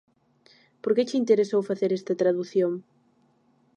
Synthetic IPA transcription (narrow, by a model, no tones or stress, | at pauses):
poɾket͡ʃint̪eɾesowfaθeɾɛst̪ɐt̪ɾaðuθjoŋ